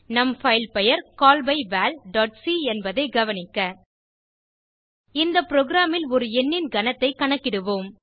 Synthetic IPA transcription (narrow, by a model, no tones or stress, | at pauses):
nɐmfɐɪlpɛjɐɾkaːlbɐɪʋaːlɖaːʈ̚siɛnbɐðɐɪɡɐʋɐnɪkːɐ | ɪnd̪ɐpːɪɾoːɡɪɾaːmɪlɔɾɯɛnːɪnɡɐnɐt̪ːɐɪkɐɳɐkːɪɽɯʋoːm